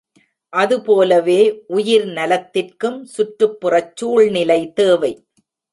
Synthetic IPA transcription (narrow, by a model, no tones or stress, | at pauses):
ʔɐðɯpoːlɐʋeːʔʊjɪɾnɐlɐt̪ːɪrkɯmsʊʈrɯpːɯrɐt͡ʃːuːɭnɪlɐɪt̪eːʋɐɪ